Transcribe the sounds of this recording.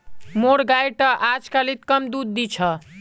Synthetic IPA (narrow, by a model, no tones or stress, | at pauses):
moɽɡajʈəʔad͡ʒkalit̪̚kəmd̪ud̪̚ːit͡ʃʰʌ